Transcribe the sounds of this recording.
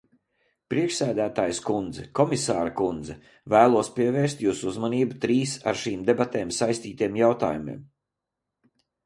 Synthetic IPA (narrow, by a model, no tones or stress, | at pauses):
pɾiɛkʃsæːd̪æːt̪aːjskund̪zɛkɔmisaːɾakund̪zɛ | væːlˠuɔspiɛvɛːɾst̪juːsuzmaniːbut̪ɾiːsa̰ɾʃiːmd̪ebat̪eːmsajst̪iːt̪ijɛmjawt̪a̰ːjumḭːm